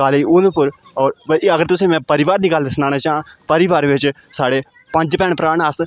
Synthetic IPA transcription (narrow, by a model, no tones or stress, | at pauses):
kaːliːʊnːpʊɾ | ɔːɾɐɡəɾt̪ʊsẽːmɛ̃ːpəɾɪʋaːɾd̪iːɡəld̪ɪsnaːnaːt͡ʃaːɦãːpəɾɪʋaːɾʋɪt͡ʃ | saːɽeː | pə̃ɲd͡ʒpɛːɳpɾaːnəs